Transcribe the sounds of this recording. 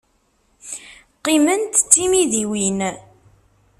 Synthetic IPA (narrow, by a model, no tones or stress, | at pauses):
qːimənt̪t͡sːimiðiwin